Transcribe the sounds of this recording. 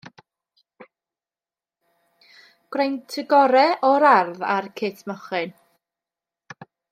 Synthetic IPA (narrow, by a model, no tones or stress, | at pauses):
ɡ̥rejntʰɪɡɔɾɛʔɔɾarðarkʰɪtʰməχɨn